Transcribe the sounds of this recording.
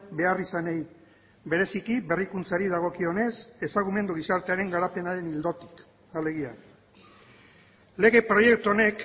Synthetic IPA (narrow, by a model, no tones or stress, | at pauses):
be̞arisanej | be̞ɾe̞sikiβe̞rikunt͡saɾiðaɣ̞o̞kio̞ne̞se̞saɣ̞ume̞nd̪uɣisaɾt̪e̞aɾe̞ŋɡaɾape̞naɾe̞nild̪o̞t̪i̥k | ale̞ɣia | le̞ɣe̞pɾo̞je̞k̚t̪uo̞ne̞k